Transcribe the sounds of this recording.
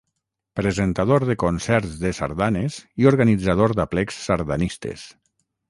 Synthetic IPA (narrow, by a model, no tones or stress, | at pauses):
pɾezent̪aðoɾðekonsɛɾzðesa̰ɾðanezioɾɣanid͡zaðoɾd̪aplɛksːaɾðanist̪ḛs